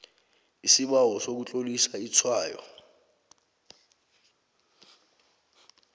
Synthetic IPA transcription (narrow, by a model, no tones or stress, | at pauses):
isiɓawɔsok̬ut͡ɬʼolisait͡sʰwaːjɔ̰